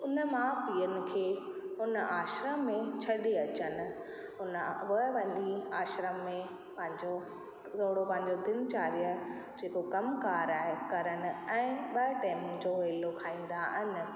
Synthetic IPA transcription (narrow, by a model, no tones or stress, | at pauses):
ʊnəmãpiːənɪ̆kʰeː | ɦʊnəʔaːʃɾəmːẽt͡ɕʰɐɗeɐt͡ɕənɪ̆ | ɦʊnə̆ɦʊʋɐ̃nd̪iaːʃɾəmːẽ | pɐ̃ɦɪ̃ɲd͡ʑo | t̪ʰoːɽopɐ̃ɦɪ̃ɲd͡ʑod̪ɪnt͡ɕaːɾijə | d͡ʑeːkokɐmkaːɾaːɦɪkɐɾənɪ̆ɛ̃ːɓɐʈeːmd͡ʑoːʋeːlokʰaːĩːn̆d̪aɦɪnɪ̆